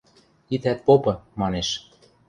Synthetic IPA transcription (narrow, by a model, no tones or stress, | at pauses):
it̪æt̪̚popɤ̆mɑneʃ